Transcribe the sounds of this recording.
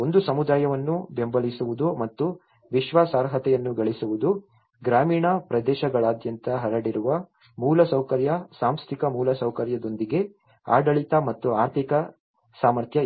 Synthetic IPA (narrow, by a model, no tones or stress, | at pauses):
o̞nd̪usɐmud̪aːjɐʋɐnːube̞mbɐlisuʋud̪umɐt̪ːu | ʋiʃʋaːsaːɾɦɐt̪ɛjɐnːuɡɐɭisuʋud̪u | ɡɾaːmiːɳɐpɾɐd̪ɛːʃɐɡɐɭaːd̪jɐnt̪ɐɦɐɾɐɽiɾuʋɐ | muːlɐsɐwkɐɾjɐsaːmst̪ʰikɐmuːlɐsɐwkɐɾjɐd̪o̞nd̪iɡe̞ | a̰ːɖɐɭit̪ɐmɐt̪ːuaːɾt̪ʰikɐ | saːmɐɾt̪ʰjɐ